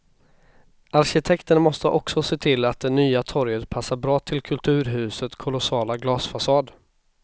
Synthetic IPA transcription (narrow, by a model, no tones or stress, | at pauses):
ʔaɾɕɪt̪ʰɛkt̪ənmɔst̪əʔɔksɔseːt̪ʰɪlːat̪̚d̪ɛnyːat̪ʰɔɾjət̪pʰasːaɾbɾɑːt̪ʰɪlkʰɵlt̪ʰʉ̟ːɾɦʉ̟ːsət̪kʰʊlʊsɑːlaɡlɑːsfasɑːd̪